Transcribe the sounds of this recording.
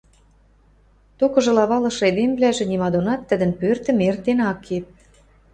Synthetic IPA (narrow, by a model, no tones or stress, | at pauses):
t̪okɤ̆ʒɤ̆lɑβɑlɤ̆ʃed̪emblæʒĕnimɑd̪onɑt̪ːə̆d̪ə̆npørt̪ə̆mert̪enɑkʰːep̚